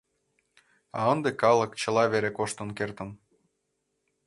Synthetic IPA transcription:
ɑənd̪ekɑlˠə̆kt͡ɕə̆lɑβeɾekoʃt̪ənkert̪ə̆n

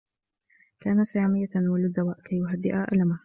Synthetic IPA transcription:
kaːnasajaːmɪjːamalʊd̪ːawaːʔkajːʊɦad̪ːɪʔaʔa̰lama

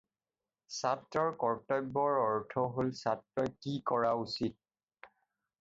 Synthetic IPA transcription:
satɹɔɹkɔɹtɔjbːɔɹɔɹtʰɔɦolsatɹɔjkikɔɹausit̚

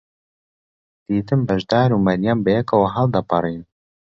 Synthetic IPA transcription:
d̪̥iːt̪ɨmbɐʒd̪aːɾumɐɾjaːnbɛjɛkɐwɐɦɑld̪ɐpɨrˤiːn

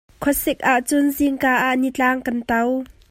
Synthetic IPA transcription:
kʰɔsɪk̚ʔaʔt͡sʊnziŋkaːʔaʔnit͡ɬaːŋkɐnt̪ɐw

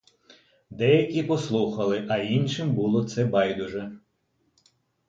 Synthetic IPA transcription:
d̪ɛjɐkʲipɔslˠuxɐlˠɪʔɐinʲʃɪmbulˠɔt̪sɛbɑjd̪ʊʒɛ

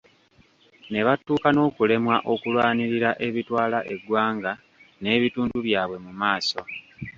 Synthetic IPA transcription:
ne̞βatːuːkano̞ːkule̞mwaʔo̞kulwaːniɾiɾaʔe̞βitwaːlaʔe̞ɡwaːŋɡa | ne̞ːβituːnduβjaːβwe̞mumaːso̞

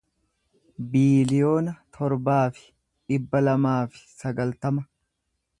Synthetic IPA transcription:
biːlɪjo̞ːnɐt̪ʰɔɾbaːfɪ̥ | ᶑɪbːɐlɐmaːfɪ̥sɐɡɐlt̪ɐmɐ

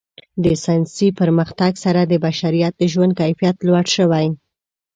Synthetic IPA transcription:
d̪əsajnsipəɾməxt̪aɡsaɾad̪əbaʃaɾijat̪̚d̪əʒwand̪̚kajfijat̪lwaɽʃəwaj

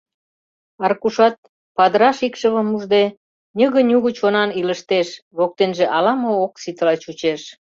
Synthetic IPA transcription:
ɑrkuʃɑt̪̚ | pɑd̪əɾɑʃikʃəβə̆muʒd̪e | nʲəɣə̆nʲuɣət͡ɕonɑniləʃt̪eʃβok̚t̪enʒĕʔɑlɑmooksit̪əlɑt͡ɕut͡ɕeʃ

